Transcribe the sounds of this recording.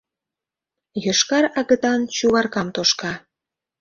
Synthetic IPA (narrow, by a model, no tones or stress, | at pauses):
jəʃkɑɾɑɣə̆t̪ɑnt͡ɕuβɑrkɑmt̪oʃkɑ